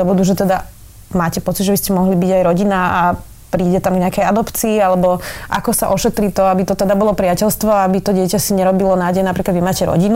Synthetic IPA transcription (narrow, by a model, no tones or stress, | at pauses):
ɔʋɔd̪uʒɛt̪ɛd̪a | maːcɛpɔt͡sid̪ʒɛbiscɛmɔɦlibiɟajɾɔɟinaa | pɾiːɟɛt̪amɡɲɛakɛjad̪ɔpt͡siːalɛbɔʔa̰kɔsa̰ʔɔʃɛt̪ɾit̪ɔabit̪ɔt̪ɛd̪abɔlɔpɾɪacɛlst̪ʋɔaabit̪ɔɟɪɛcasiɲɛɾɔbilɔnaːɟɛjɛnapɾiklad̪ʋimaːcɛɾɔ̰ɟin